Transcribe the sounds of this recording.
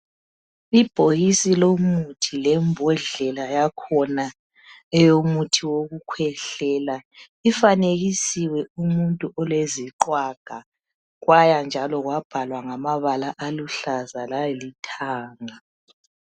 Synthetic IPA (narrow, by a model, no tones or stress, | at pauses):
ib̥ʱojisilomutʰilɛmbʱɔɮɛlajakʰɔna | ɛjomutʰiwoɣukʰwɛɬɛla | ifaneɣisiwɛumuntʼuʔɔlweziǃwaɡ̥ʱa | ɣwajand͡ʒʱalɔɣwab̥ʱalwaŋamaβalaʔaluɬazalajelitʰaːŋa